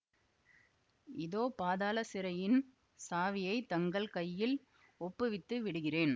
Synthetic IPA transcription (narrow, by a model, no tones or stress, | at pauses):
ʔɪðoːpaːðaːlɐsɪɾɐjɪn | saːʋɪjɐɪt̪ɐŋɡɐɭkɐjːɪl | ɔpːɯʋɪt̪ːɯʋɪɽɯɣɪreːn